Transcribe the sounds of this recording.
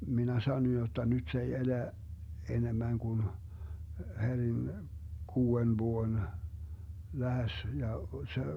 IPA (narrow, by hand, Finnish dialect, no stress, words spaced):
minæ sɑnoj jotːɑ nyt se ei elæ enemːæŋ kun herʲin kuːen ʋuon læhes jɑ se